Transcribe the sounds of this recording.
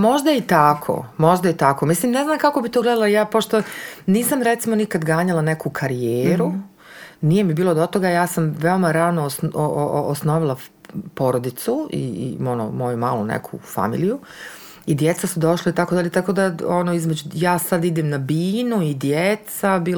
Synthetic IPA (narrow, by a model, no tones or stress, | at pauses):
mo̞ʒd̪ait̪akʰo̰mo̞ʒd̪ajet̪akomislimne̞znaːmkako̞bit̪oɡled̪alajaːpo̞ʃt̪o̞niːsamɾet̪simo̞nikad̪ɡaːɲalˠanekukʰaɾijeːɾu | nije̞mibiːlˠod̪ot̪o̞ɡajaːsamʋeomaɾanosoːsno̞ʋilˠa | po̞ɾod̪it̪suḭmo̞no̰mo̞juma̰ːlunḛkʰṵfa̰mḭːliju | id̪je̞t̪sasud̪o̞ʃlait̪akod̪aʎe̞t̪ako̞d̪aonoizmed͡ʑujaːsad̪id̪emnabiːnuid̪jet̪sabiː